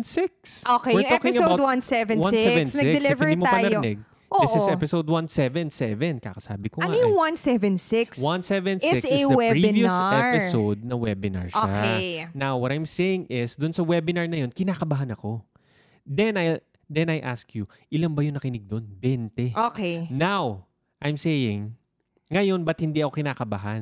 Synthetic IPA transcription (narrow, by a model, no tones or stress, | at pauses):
nsɪksʔokeɛʊt̪oɛkɪŋɐboawwansɛvɛnwãnsɛvɛ̃nsnɐɡɡɪɛlɪvɛɹimot̪apɐnɐjonɛɡ̚ | ʔoːɪʔsɪsɛpɪsowd̪̚wɐnsɛvɛnsɛvɛnka̰kɐsa̰ːbɪkoɐaʊjʊŋwɐnsɛvɛ̃nsɪkswɐnsɛvɛnsɪɪksɪwɛɹivjusɛpɪsowdd̪̚nɐwɛbɪna̰ɹʃoaenawwɐt̪ajmseːjɪŋɪsd̪ʊnsɐwɛbɪnaɹnɐjo̞nkɪnaːkɐbaɦɐnɐko̞ | d̪ɛna | d̪ɛnɐjʔa̰skju | ʔɪlanbɐjʊŋnɐkɪnɪɡ̚d̪onbɛnt̪ɛʔokenaw | ʔɐjmsejɪŋː | ɐjo̞nbɐt̪̚hɪnd̪iʔɐko̞kɪnaːkɐbaɦɐn